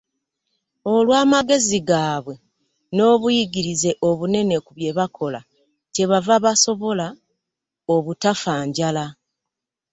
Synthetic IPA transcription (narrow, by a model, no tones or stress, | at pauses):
o̞lwaːmaɡe̞ziɡaːβwe̞ | no̞ːβujiɡiɾize̞ʔo̞βune̞ne̞kuβje̞βakʰo̞la | ce̞βavaβaso̞βo̞la | oβutafaːɲɟala